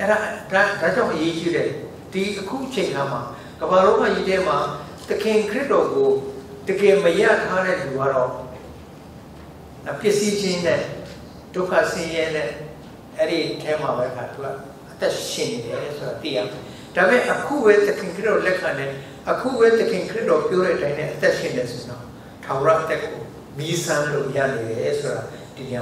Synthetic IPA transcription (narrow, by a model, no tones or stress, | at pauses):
ʔɛɾadadad͡ʑãʊ̃ʔəjet͡ɕiɾɛ | d̥iʔəkʰṵʔət͡ɕʰẽɪ̃kʰama | ɡəbalõʊ̃ŋã̰jḭtʰɛm̥a | t̪əkʰɪ̃kʰɹɪtɔɡo | t̪əɡɛməja̰tʰaɾɛd̪uɡa̰ɾɔ | napjɪʔsid͡ʑɪ̃nɛ̃ | d̥oʊkʰa̰sɪ̃jɛnɛ̰̃ | ʔɛɾitʰɛmaβɛʔəkʰat̪ua̰ | ʔət̪ɛʔʃɪ̰̃neɾɛsoɾat̪ḭja̰mɛ | d̥amɪ̃ʔəkʰṵbɛt̪əkʰɪ̃ŋkʰɹɪtːɔlɛkʰãnɛ̃ | ʔəkʰṵbɛt̪əkʰɪ̃ŋkʰəɪtɔpjɔɾɛʔətãɪ̃nʰɛ̰̃ʔət̪ɛʃɪ̰̃ndɛsʰõɲã | tʰãmɹãʔət̪ɛko | misãlõ̰ʔja̰leɾɛsʰoɾa | d̥əɡɛ